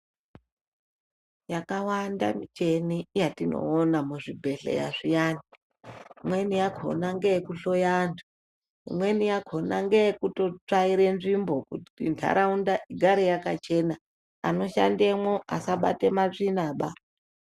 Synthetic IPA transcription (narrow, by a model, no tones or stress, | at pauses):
jakawanda̰mit͡ʃenijatino̰ːnamuʐibʱe̞ɬḛja̰ʐijaːni | imwe̞nijakʰo̞̰naŋɡejekuɬo̞jantʰu̥ | ḭmwe̞nijakʰo̞naŋɡeekuto̞t͡ʂaiɾe̞nʐimbo̞kutintʰa̰ɾaundaʔiɡʱaɾejakat͡ʃe̞na | a̰no̞ʃa̰ndemwoʔasaɓa̰te̞maʐinaːɓa